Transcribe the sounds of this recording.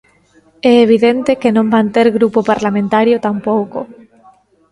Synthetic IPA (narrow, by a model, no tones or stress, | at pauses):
ɛeβ̞iðent̪ekenõmbant̪eɾɣɾupopaɾlamẽnt̪aɾjot̪ampowko